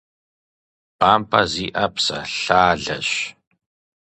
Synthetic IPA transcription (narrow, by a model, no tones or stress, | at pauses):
b̥aːmpʰʼɐziːʔɐpsɐ̰ɬaːɮɐɕ